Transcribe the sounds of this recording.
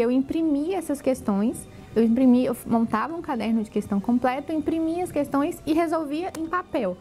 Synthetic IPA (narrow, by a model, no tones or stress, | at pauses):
ewĩpɾimiɛsɐskest̪õj̃s | ewĩpɾimiewmõnt̪avɐũkad̪ɛɾnʊd͡ʒɪkest̪ɐ̃w̃kõmplɛt̪ʊĩpɾimiɐskest̪õj̃sɪɦezowviɐʔẽpapɛw